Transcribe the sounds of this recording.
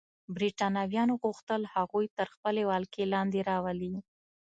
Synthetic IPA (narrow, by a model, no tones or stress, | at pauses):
bɾiʈɑnɑwjɑnoɣuxt̪əlhaɣujt̪əɾxpəlewɑlkelɑnd̪eɾɑwəli